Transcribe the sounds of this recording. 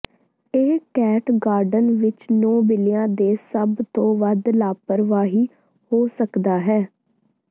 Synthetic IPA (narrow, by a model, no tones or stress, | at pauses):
eɦkɛːʈɡaːɾɖənʋɪt͡ʃnɔːbɪlijãːd̪eːsəbt̪õːʋəd̪laːpəɾʋaːɦiː | hoːsəkd̪aːɦɛː